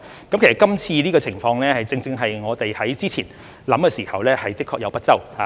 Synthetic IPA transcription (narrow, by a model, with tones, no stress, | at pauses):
kɐ˨˥mkʰe˨˩sɐ˨˩kɐ˥mt͡sʰiː˧liː˥kɔː˧t͡sʰɪ˨˩ŋfɔː˧ŋlɛː˥hɐ˨jt͡sɪ˧ŋt͡sɪ˧ŋɦɐ˨jŋɔː˨˧t̪e˨jhɐ˨˥jt͡siː˥t͡sʰiː˨˩n | lɐ˨˥mkɛː˧siː˨˩hɐ˨wlɛː˥hɐ˨jt̪ɪ˥kʰːɔː˧k̚jɐ˨˧wpɐ˥t̚t͡sɐ˥wha̰ː˨˦